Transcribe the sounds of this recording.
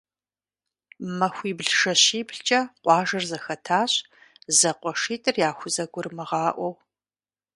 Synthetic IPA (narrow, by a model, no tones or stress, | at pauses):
mɐxʷiːbɮʂɐɕiːbɬt͡ʃʼɐqʷɑːʒɐrzɐxɐtʰaːɕ | zɐqʷɔʂiːtʼɨrjaːxʷʊzɐɡʷʊrmɨʁɑːʔʷɔw